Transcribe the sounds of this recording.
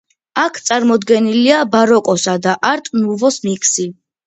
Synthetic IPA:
akʰt̪sʼaɾmɔd̪ɡɛniliabaɾɔkʼɔsad̪aʔaɾt̪ʼnuvɔsmikʰsi

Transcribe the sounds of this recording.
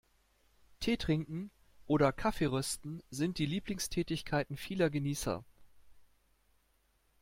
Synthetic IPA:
tʰeːtʁ̥ɪŋkŋ̩ | ʔoːɾɐkʰafeʁœstn̩zɪnt̚d̥iːliːplɪŋstʰɛːtɪçkʰaɪtn̩fiːlɐɡəniːsɐ̰

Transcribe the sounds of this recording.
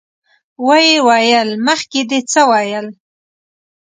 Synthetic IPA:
wajewɑjəlməxked̪et͡səwɑjəl

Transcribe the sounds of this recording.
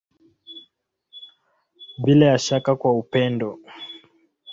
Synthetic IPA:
ɓilajaʃakakwaupɛndɔ

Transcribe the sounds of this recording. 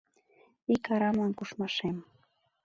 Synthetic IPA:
ɪkaɾamaŋkʊʃmaʃem

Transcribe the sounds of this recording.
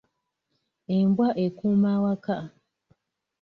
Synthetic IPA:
embwaʔekumawaka

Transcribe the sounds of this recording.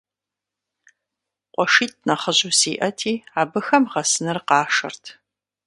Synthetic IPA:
qʷʼɔʂiːt̚ʰnɐχəʑusiːʔɐtʰiːaːbɨxɐmʁɐsɨnɨrqɑːʂɐ̰rtʰ

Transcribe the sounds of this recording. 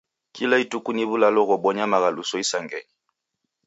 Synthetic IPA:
kʰilaitukuniβulalɔɣɔɓɔɲamaɣalusɔisaŋɡɛɲi

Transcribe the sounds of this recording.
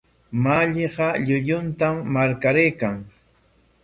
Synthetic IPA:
maʎɪɢɑʎʊʎʊnt̪amːaɾkaɾejkaŋ

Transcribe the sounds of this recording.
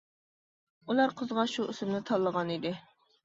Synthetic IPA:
ulˠɑɾqʰəzʁɑʃuysɨmnɪt̪ʰɑlˠːəʁɑnid̪ɪ

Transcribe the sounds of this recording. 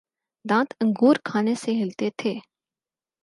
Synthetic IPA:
d̪ãːt̪ə̃ŋɡʱuːɾkʰaːneseɦɪlt̪et̪ʰeː

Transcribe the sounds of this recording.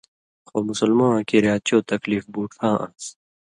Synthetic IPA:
xomʊsɐlmãːkiɾjaːt͡ɕoːt̪ɐkliːfbuːʈfʰãːʔã̰ns

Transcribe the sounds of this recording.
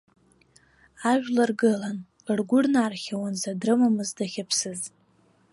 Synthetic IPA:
aʒᶣlarɡɨlan | rɡʷʊrnaːrχʲawanzadrɨmamɨzdaχʲapʰsɨzʼ

